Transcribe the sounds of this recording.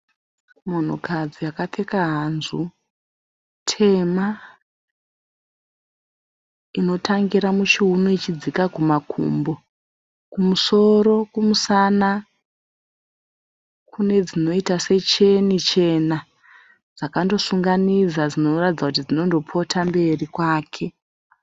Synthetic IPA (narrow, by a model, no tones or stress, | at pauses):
mo̞n̤ukʰad͡zijakate̞kaɦanzu | tʰe̞ma | ino̞tʰaŋɡiɾamut͡ʃiɦunoit͡ʃid͡zikakumakʰṵmbo̞ | kumuso̞ɾo̞kumusana | kʰune̞d͡zino̞itase̞t͡ʃe̞nit͡ʃe̞na | d͡zakando̞suŋɡanid͡zad͡zino̞ratid͡zakut̬id͡zino̞ndo̞pʰo̞tʰambe̞rikwaːkʰe̞